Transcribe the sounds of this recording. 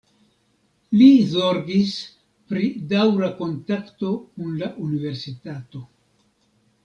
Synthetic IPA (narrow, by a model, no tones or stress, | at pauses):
lizo̞ɾɡis | pɾidawɾako̞ntakto̞kunlaʔunive̞ɾsitato̞